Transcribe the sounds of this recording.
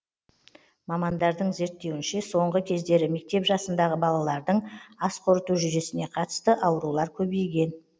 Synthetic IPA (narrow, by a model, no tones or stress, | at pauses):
mɑmɑnd̪ɑɾd̪əɴze̞ɾt̪ːe̞wɪnʃe̞so̞ɴʁəkʲʰe̞zd̪e̞ɾɪme̞k̚t̪e̞pʒɑsənd̪ɑʁəbɑlˠɑlˠɑɾd̪əɴɑsqʰoɾət̪uʒʏje̞sɪne̞qʰɑt̪ə̥st̪əʔɑwəɾulˠɑɾkʲʰɵbejɡʲe̞n